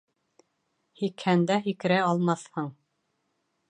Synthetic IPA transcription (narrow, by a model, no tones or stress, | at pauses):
hikhænd̪æɦikɾæɑlˠmɑθhɤɴ